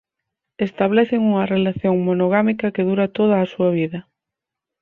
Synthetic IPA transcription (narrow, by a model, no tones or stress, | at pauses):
est̪aβ̞leθeŋuŋɐrelaθjoŋmonoɣ̞amikɐkeð̞uɾat̪oð̞aːsuaβ̞iðɐ